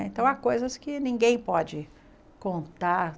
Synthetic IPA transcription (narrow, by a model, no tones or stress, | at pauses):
ẽnt̪ɐ̃w̃akojzɐskɪnĩŋɡẽj̃pɔd͡ʒɪ | kõnt̪aɾ